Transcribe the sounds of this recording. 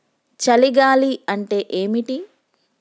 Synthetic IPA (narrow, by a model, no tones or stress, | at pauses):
t͡ʃɐliɡaːliɐɳʈe̞ːʔeːmiʈi